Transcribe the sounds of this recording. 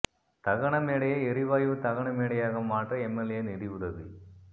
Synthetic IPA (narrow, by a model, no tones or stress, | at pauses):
t̪ɐɣɐɳɐmeːɽɐjɐɛɾɪʋaːjʋɯt̪ɐɣɐɳɐmeːɽɐjaːɣɐmaːʈrɐɛmːɛljɐnɪɽɪʋɯðɐðɯ